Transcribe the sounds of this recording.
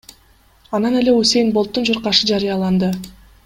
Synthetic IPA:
ɑnɑne̞lʲe̞usʲe̞jnbo̞lˠt̪ːund͡ʒoɾqɑʃɯd͡ʒɑɾijɑlˠɑnd̪ɯ

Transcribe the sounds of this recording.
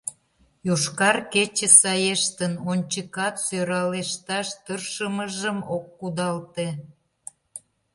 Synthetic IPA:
joʃkɑrket͡ɕə̆sɑjeʃt̪ənonʲt͡ɕəkɑt̪søɾɑleʃt̪ɑʃt̪ərʃəməʒəmokːud̪ɑlt̪e

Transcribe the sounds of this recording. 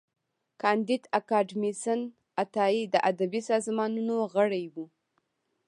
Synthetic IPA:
kɑnd̪ɪd̪akɑɖmisan | at̪ɑid̪əʔad̪abisɑzmɑnunoɣəɽajwu

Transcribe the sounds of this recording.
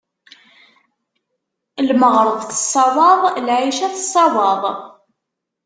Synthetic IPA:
lməʁɾˤəðˤθə̥sˤːɑwɑðˤlʕiʃæθəsˤːɑwɑðˤ

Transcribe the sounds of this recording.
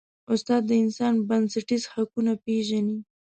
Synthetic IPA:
ʊst̪ɑd̪ːəɪnsɑnbansaʈizhakunapeʒani

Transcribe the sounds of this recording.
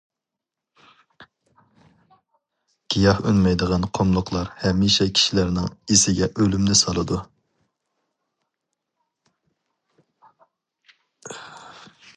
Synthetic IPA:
ɡ̥ʲijɑhø̰nmɛjd̪əʁɑnqʰomlˠʊqʰlˠɑɾhɛmːiʃɛkʲʰi̥ʃilæɾnɪŋisɪɡʲɛʔølymnɪsɑlˠɨd̪u

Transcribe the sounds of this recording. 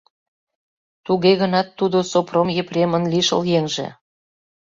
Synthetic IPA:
t̪uɣeɣənɑt̪ːud̪osopromjĕprʲemənliʃə̰ljeŋʒḛ

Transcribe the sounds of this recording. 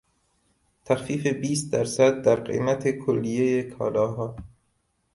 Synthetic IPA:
t̪ʰæxfiːfe̞biːst̪̚d̪æɾsæd̪̚ːæɾɢḛmæt̪ʰekʰolːijejekʰɒ̰ːlɒːɦɒː

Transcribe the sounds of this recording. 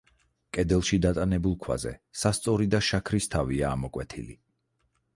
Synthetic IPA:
kʼɛd̪ɛlˠʃid̪at̪ʼanɛbulˠkʰwa̰zɛ̰sast̪sʼɔɾid̪aʃakʰɾist̪ʰaviaːmɔkʼwɛt̪ʰilḭ

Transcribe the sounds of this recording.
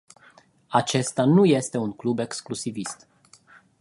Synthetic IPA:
at͡ʃe̞st̪anuje̞st̪e̞unklube̞ksklusivist̪

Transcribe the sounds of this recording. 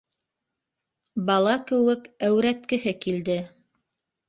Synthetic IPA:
bɑlˠɑkɘ̆wɘkæwɾæt̪kɘ̆ɦɘkild̪ɘ

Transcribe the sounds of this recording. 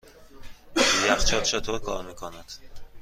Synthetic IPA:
jæχt͡ʃʰɒt̪t͡ʃʰet̪ʰoɾkʰɒ̰ːɾmiːkʰonæd̪̥

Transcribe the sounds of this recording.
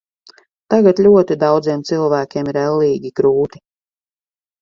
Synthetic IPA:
t̪aɡat̪lʲuɔt̪id̪awd̪ziɛmt̪silˠvæːkʲeɛmiɾɛlˠːiːɡʲiɡɾuːt̪i̥

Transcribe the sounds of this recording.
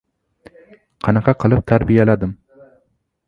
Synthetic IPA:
qʰɑnɑqʰɑqʰɨlˠɪp̚t̪ʰaɾbijalad̪ɪm

